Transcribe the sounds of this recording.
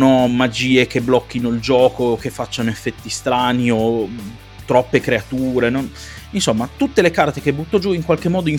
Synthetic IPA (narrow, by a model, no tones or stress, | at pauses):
nomad͡ʒiːekeblɔkːinoild͡ʒɔːkoːkːefːat͡ʃːanoefːɛt̪ːist̪ɾaːnio | t̪ɾɔpːekɾeat̪uːɾenon | insomːat̪ut̪ːelekart̪ek̟ebut̪ːod͡ʒuiŋkwalk̟emːɔːd̪oin